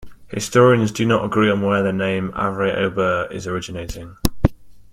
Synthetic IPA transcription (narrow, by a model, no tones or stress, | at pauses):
hɪ̰stɔːɹiə̃nzdənətəɡɹiːə̃nwɛðənẽɪ̃ma̰vɹiʔə̰ʊbəɪ̰zəɹɪd͡ʒɪneɪtʰɪ̃ŋ